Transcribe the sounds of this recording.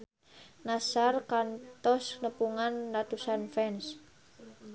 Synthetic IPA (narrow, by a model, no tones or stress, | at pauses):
nasarkant̪ɔsnəpuŋanlat̪usanfɛns